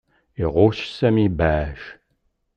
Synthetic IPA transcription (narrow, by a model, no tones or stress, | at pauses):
iʁʷoːʃsɐmiːbaːʒ̥